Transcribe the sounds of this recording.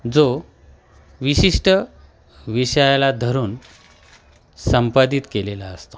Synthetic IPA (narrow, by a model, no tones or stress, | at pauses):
d͡zo | ʋiɕiʂʈə | ʋiɕəjalad̪ʱəɾuːn | səmpat̪it̪kelela̰əst̪o̥